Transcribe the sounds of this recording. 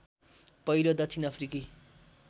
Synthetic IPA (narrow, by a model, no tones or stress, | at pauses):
pʌjlod̪ʌt͡sʰinʌpʰriki